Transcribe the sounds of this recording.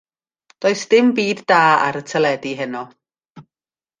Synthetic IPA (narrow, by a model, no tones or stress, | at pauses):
d̥oːɨsd̥ɪmbiːdːaːa̰ɾətʰəlˠɛdiɦɛnɔ